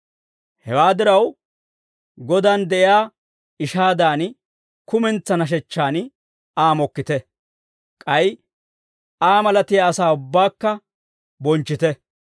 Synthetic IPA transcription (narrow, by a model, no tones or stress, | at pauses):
hɛwaːd̪ɪɾɐw | ɡɔd̪aːnd̪ɛʔɪjaː | ɪʃaːd̪aːn | kʊmɛnt͡sːɐnɐʃ̬ɛt͡ʃːaːn | aːmɔkːɪt̪ɛ | kʼɐj | aːmɐlɐt̪ɪjaːsaːʊbːaːkːɐ | bɔnt͡ʃːɪt̪ɛ